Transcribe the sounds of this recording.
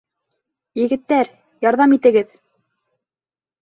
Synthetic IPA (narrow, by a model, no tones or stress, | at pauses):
jɘ̆ɡɘ̆t̪ːæɾ | jɑɾðɑmit̪ɘ̆ɡɘð